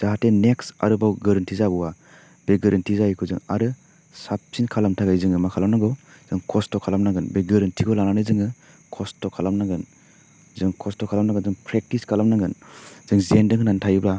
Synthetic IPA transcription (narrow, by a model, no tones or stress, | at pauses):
z̥aɦateneksa̰ɾɯbawɡɯɾɯntʰizabɔwa | b̥eɡɯɾʔantʰizajkʰuzɯ̰ŋa̰ɾɯ | sap̚sinkʰalamtʰaɡajzɯŋɯmakʰalamnaŋɡɔ | z̥ɯŋkʰɔstɔkʰalamnaŋɡɯnbeɡɯɾɯntʰikɔlananɯzɯŋɯ | kʰɔstɔkʰalamnaŋɡɯn | zɯŋkʰɔstɔkʰalamnaŋɡɯnzɯŋpʰɾek̚tiskʰalamnaŋɡɯnz̥ɯŋzendɯŋnantʰajubla